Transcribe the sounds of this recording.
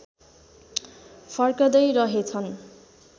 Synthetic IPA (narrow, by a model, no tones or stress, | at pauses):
pʰʌrkʌd̪ʌjɾʌɦet͡sʰʌn